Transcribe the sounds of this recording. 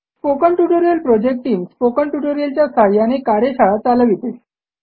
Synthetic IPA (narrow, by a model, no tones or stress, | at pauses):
spokəɳʈuʈoɾijəlpɾɔd͡ʑek̚ʈ̚ʈːiːmspokəɳʈuʈoɾijəlt͡ɕjasaɾjanekaɾeɕaɭat͡salaʋit̪es